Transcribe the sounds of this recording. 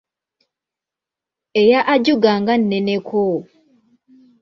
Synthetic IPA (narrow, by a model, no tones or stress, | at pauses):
ejaʔaɟuɡaŋɡan̩ːɛnekʰo